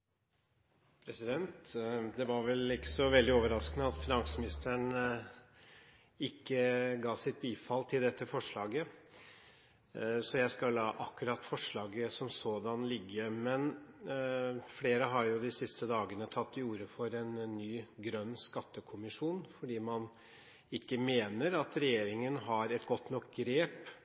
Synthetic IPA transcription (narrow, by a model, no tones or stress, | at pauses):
pʰɾɛsɪd̪ɛnt̪d̪ɛʋɑɾʋɛlɪkːə̥sɔʋɛld̪ɪoːʋəɾɑskənəɑt̪fɪnɑŋsəmɪnɪst̪əɳ | ɪkːəɡɑːsɪt̪̚biːfɑlt̪ʰɪld̪ɛt̪ːəfɔʂɭɑːɡə | sɔjæɪskɑllːɑːʔɑkːʉɾɑt̪fɔʂɭɑːɡəsɔmsoːd̪ɑnlɪɡːəmɛn | fleːɾəɦɑɾjʊd̪ɪsɪst̪əd̪ɑːɡənət̪ʰɑt̪ːɪuːɾəfɔɾɛnnːyːɡɾœnːskɑt̪ːəkʰʊmɪʂuːnfɔɖiːmɑn | ɪkːəmeːnəɾɑt̪ɾɛjeːɾɪŋənɦɑɾɛt̪ɡɔt̪ːnɔkɡɾeːp